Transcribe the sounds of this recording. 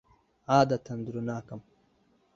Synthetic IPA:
aːd̪at̪ʰɐnd̪uɾunaːkɐm

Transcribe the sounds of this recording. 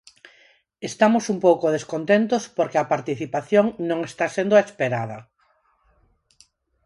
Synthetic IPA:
est̪amosumpowkoð̞eskont̪ent̪ospoɾkeɐpaɾt̪iθipaθjoŋnõŋest̪asend̪ʊaespeɾað̞ɐ

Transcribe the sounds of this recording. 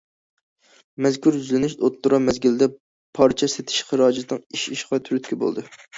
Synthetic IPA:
mɛzkʰʲuɾyzlɪnɪʃot̪ːuɾɑmɛzɡʲilɪd̪ɛ | pʰɑɾt͡ʃʰɛset̪ʰɪ̥ʃχəɾɑːd͡ʒɪt̪nɨŋiʃiʃqɑt̪ʰyɾyt̪kʲɛbo̰lˠd̪ɨ

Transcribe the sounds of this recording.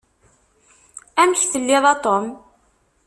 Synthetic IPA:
æmçθəlːɪðˤɑt̪ˤom

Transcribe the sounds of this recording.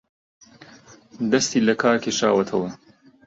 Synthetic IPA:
d̪ɐst̪iːlɐkʰaːkeːʃaːwɐt̪ʰɐwɐ

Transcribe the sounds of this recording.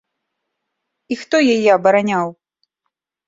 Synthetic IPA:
ixt̪ɔjajɛɐbɐɾanʲaw

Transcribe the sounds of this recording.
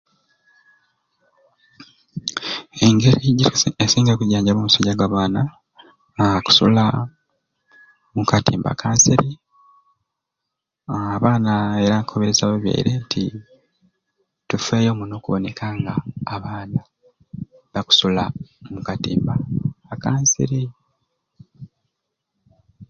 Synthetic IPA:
e̞ŋɡe̞ɾiɟiesiːŋɡekuɟaːɲɟamomusaɟaɡwaːβaːna | ku̥sula | mukatiːmba̰kʰaːnsiɾi | βaːnae̞ɾakʰo̞βeɾezaβeβja̰ḭɾe̞ntʰi | tufe̞ːjo̞ːmuno̞ːkuβo̞ne̞kʰaːŋɡaːβaːna | βaku̥sulamukatḭːmbaːkaːnsḭɾi

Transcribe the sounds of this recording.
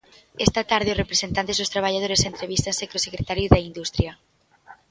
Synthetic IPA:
est̪at̪aɾð̞eosrepɾesent̪ant̪ezðost̪ɾaβ̞aʎað̞oɾesent̪ɾeβist̪ansekɾosekɾet̪aɾjozðaind̪ust̪ɾja

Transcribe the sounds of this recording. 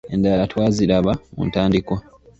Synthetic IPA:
e̞ndalatwaːziɾaβamṵntaːndikwa

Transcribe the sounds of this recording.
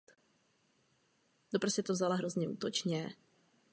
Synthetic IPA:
d̪opɾosɛt̪ovzalaɦɾozɲɛʔṵːt̪ot͡ʃɲɛ

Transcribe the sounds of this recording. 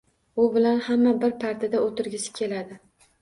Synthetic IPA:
ʊbɪlanhamːabɪɾpʰaɾt̪ʰɪd̪aot̪ɪɾɡʲɪsɪ̥kʲʰe̞lad̪ɪ

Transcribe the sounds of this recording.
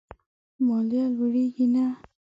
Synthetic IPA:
mɔlialuɹiɡina

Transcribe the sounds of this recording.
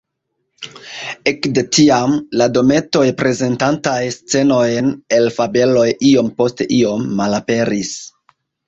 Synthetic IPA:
ekde̞tiamlado̞me̞to̞jpɾe̞ze̞ntantajst͡se̞no̞jne̞lfabe̞lo̞jio̞mpo̞steʔio̞mːalape̞ɾis

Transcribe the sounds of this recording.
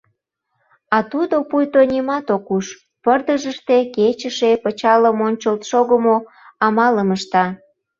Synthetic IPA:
ɑt̪ud̪opujt̪onʲimɑt̪okuʃ | pərd̪əʒəʃt̪eket͡ɕəʃepət͡ɕɑləmonʲt͡ɕəlt̪ʃoɣəmo | ɑmɑləməʃt̪ɑ

